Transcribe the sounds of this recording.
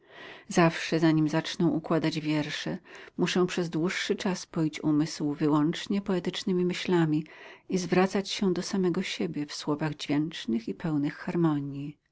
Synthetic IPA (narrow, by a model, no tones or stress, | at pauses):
zafʂɛzaɲimzat͡ʂnɔ̃w̃ʔukwad̪ad͡ʑvʲjɛɾʂɛmuʂɛ̃w̃pʂɛzd̪wuʂːɘt͡ʂaspɔjit͡ɕumɘswvɘwɔnt͡ʂɲɛpɔɛt̪ɘt͡ʂnɘmʲimɘɕlamʲiizvɾat̪sat͡ɕɕɛd̪ɔsamɛɡɔɕebʲjɛfswɔvaɣd͡ʑvʲjɛnt͡ʂnɘxipʰɛwnɘxːaɾmɔɲji